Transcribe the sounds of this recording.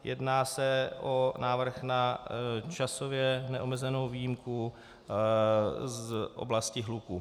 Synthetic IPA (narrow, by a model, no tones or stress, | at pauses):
jʔɛ̰dnaːsɛʔonaːvr̩xnat͡ʃasovjɛnɛʔomɛzɛnowviːjɪmku | zʔo̰blascɪɦluku